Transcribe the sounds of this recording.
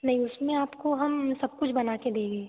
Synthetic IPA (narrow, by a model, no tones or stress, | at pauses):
nɐɦĩʊsmẽaːpkoɦɐmsɐb̚kʊt͡ʃʰbɐnaːked̪ẽːɡeː